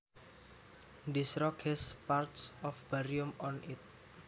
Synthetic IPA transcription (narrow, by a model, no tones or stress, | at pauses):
disɾɔkɛspart̪sɔfb̥aɾiumɔnit̪̚